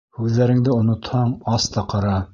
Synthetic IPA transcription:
hʉðːæɾɘ̆ŋd̪ɘŏnŏt̪hɑɴɑst̪ɑqɑɾɑ

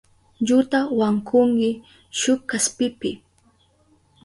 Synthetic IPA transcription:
ʎʊt̪awaŋkʰʊŋkɪ | ʃʊkaspɪpɪ

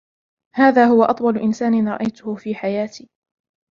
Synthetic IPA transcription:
haːðaːɦʊwaʔɑt̪ˤwɑlʊʔɪnsaːnɪnɾˤɑ̰ʔajt̪ʊhʊfiːħajaːt̪iː

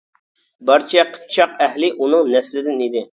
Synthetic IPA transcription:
bɑɾt͡ʃʰɛqʰə̥p̚t͡ʃʰɑqɛhlɪʔunɨŋnɛslɪd̪ɪnid̪ɪ

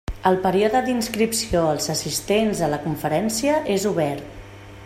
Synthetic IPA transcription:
əlˠpəɾioðəd̪inskɾipsioəlˠzəsist̪enzələkuɱfəɾɛnsiəʔezuβɛɾt̪̚

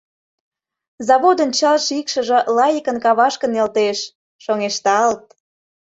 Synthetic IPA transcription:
zɑβod̪ə̆nt͡ɕɑlʃikʃə̆ʒĕlɑjikənkɑβɑʃkə̆nelt̪eʃ | ʃoŋeʃt̪ɑɑlt̪̚

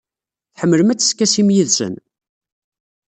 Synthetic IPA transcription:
θħəmːələmæt͡sːə̥skːæsimjiðsə̰n

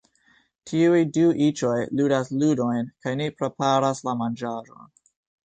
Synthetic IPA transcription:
tʰiujduʔit͡ʃo̞jludasludo̞jnkajnepɾe̞paɾaslamand͡ʒaʒo̞̰n

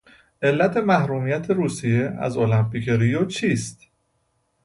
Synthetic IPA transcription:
ʔe̞lːæt̪ʰe̞mæhɾuːmijæt̪ʰe̞ɾuːsije̞æ̰zolæmpʰiceɾijot͡ʃʰiːst̪

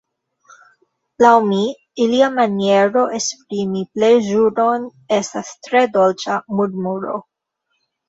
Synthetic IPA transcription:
lawmi | iliamanie̞ɾo̞ʔespɾimiple̞jʒuno̞n | e̞stastɾe̞do̞lt͡ʃamudmuɾo̞̰

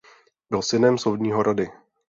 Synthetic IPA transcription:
bɪlsɪnɛmsowdɲiːɦoɾadɪ

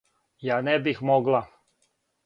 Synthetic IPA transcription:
jaːnɛbixmoɡla

